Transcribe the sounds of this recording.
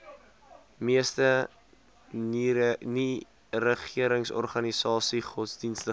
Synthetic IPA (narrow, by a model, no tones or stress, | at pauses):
miəstə | ni | rəχiəɾəŋsɔ̰rχɐnisɑːsiχɔtsdinstə